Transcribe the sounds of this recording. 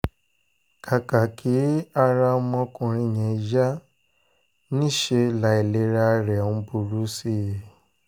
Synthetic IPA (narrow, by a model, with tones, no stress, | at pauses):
kʰa˨ka˨kʰi˨˦a˧ɾa˧˦mɔ̃˧kũ˧˨ɾ̃ĩ˧˨ɲɛ˨˦ʒa˦ | nĩ˦ʃe˧la˨e˨le˨˦ɾa˦ɾɛ˨n̩˦bu˧ɾu˦si˦je˨